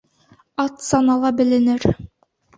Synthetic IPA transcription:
ɑt̪sɑnɑlˠɑbɘ̆lɘ̆nɘɾ

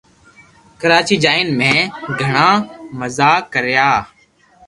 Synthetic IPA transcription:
kəɾaːt͡ʃiːd͡ʒaːɪnmẽːɡʱəɳãːməzaːkəɾjaː

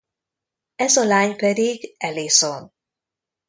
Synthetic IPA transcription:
ɛzɒlaːɲpɛd̪iɡɛleːson

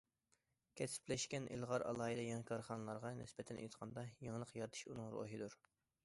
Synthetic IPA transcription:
kʲʰɛsɪ̥plɛʃkʲɛnʔḭlˠʁɑɾʔɑ̰lˠɑːid̪ɛjɑŋɛkʰɑɾχɑnlˠɑɾʁɑnɪ̰sbɛt̪ʰɛnʔḛjɨt̪qʰɑnd̪ɑjeŋəlˠəqjɑɾt̪ʰɨ̥ʃunɨŋɾo̰ɦid̪uɾ

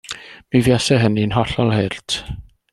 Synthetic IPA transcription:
mivjasɛɦəninɦɔɬɔlˠhertʰ

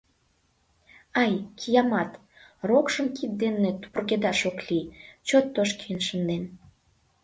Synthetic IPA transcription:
ɑjkʰijɑmɑt̪ | rokʃəmkit̪̚d̪enːet̪u̥pərked̪ɑʃoklit͡ɕot̪ːoʃkiənʃənd̪en

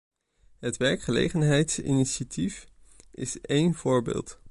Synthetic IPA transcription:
ɦətʋɛɹkχəlḛjχənɦɛjtsḭniʃatif | ɪsejnv̥ʊːɹbḛːlˠt

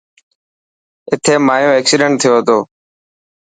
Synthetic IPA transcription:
ɪt̪ʰeːmaːjõːeːksiɖəɳʈ̚t̪ʰɪjoːɦət̪oː

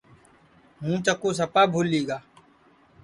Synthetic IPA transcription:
ɦũːt͡ʃəkoːsəpaːbʱuːlːiːɡaː

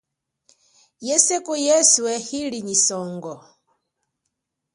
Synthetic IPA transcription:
jɛsekujɛsuɛhiliɲisɔŋɡɔ

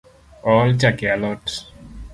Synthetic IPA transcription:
ɔlt͡ʃakialɔʈ

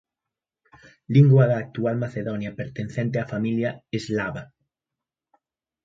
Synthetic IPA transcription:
liŋɡwaðaːk̚t̪ualmaθeðɔnjapeɾt̪enθɛnt̪eafamiljaezlaβa

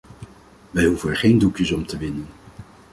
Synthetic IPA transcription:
ʋɛjɦuvənɛɹχejndukjəsɔmtəʋɪnən

